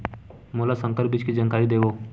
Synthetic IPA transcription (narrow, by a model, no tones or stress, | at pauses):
molasə̃ŋkəɾpbɪt͡ʃkid͡ʒənkaːɾid̪eːʋoː